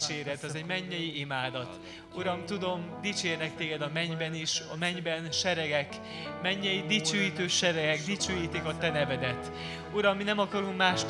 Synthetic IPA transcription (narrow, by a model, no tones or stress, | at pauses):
t͡ʃeːɾɛt̪ɛzɛɟmɛɲːɛjiimaːd̪ɒt̪ | uɾɒmt̪ud̪o̞md̪it͡ʃeːrnɛk̚t̪eːɡɛd̪ɒmɛɲbɛniʃɒmɛɲbɛnʃɛɾɛɡɛk | mɛɲːɛjid̪it͡ʃøːjiːt̪øːʃɛɾɛɡɛɡd̪it͡ʃøːjiːt̪ikɒt̪ɛnɛvɛd̪ɛt̪ | uɾɒmːinɛmɒkɒɾuŋkmaːʃ